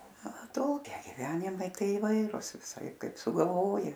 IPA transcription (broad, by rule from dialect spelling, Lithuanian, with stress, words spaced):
ɐˈtoːkʲɛɪ ɡʲɪˈʋʲæːnʲɪmɐɪ ˈtɐɪ ɪˈʋɐɪrʊs ʋʲɪˈsɐɪp ˈkɐɪp sʊɡɐlˠˈʋoːjɪ